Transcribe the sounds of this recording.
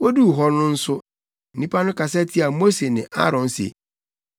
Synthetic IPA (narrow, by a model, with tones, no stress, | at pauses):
wo˦du˦˨ɦɔ˦nʊ̃˦n̩˦sʊ˦ | n̩˨nĩ˦pʰa˦nʊ̃˦kʰa˨sɛ˦tʰi˦a˨mo˦se˨nɪ̃˨ʔa̰˦ɾɔ̃˨nsḛ˨